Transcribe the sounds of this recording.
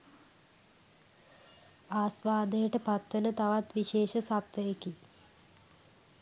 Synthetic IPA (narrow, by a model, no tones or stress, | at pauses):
aːsʋaːd̪ejəʈəpat̪ʋənət̪aʋat̪ʋiʃeːʃəsapt̪ʋəjeki